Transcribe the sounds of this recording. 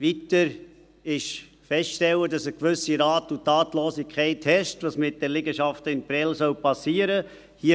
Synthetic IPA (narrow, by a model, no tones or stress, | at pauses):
ʋitəɾ | ɪʃ | fɛstʃtɛwədɑsəkʋʏsiɾɑːtutɑːtlɔːsikʰχɛɪthɛʃtʋɑsmɪt̚d̥ɛlɪɡəʃɑftəɪnpɾɛlsœwpɑsiːəɾə | hiə